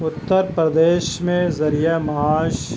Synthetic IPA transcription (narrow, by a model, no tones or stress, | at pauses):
ʊt̪ːəɾpɾɐd̪eːʃmẽzɐɾijəmɐɦaːʃ